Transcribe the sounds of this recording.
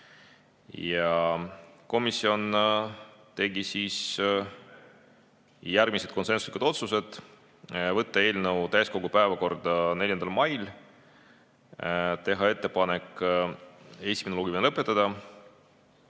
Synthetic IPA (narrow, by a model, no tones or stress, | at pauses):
jɑ | ko̞misːio̞n | t̪e̞ɡisiːs | jærɡmise̞d̪̚kose̞nsuslikud̪o̞t̪suse̞d̪̥ | vɤt̪ːɑe̞ːlnəwt̪æjsko̞ɡupæe̞vɑko̞rd̪ɑne̞lʲjɑnd̪ɑlmɑjl | t̪e̞ɦɑe̞t̪ːe̞pɑne̞k | e̞si̥menloɡimenlɤpːˑet̪ːˑɑd̪̥ɑ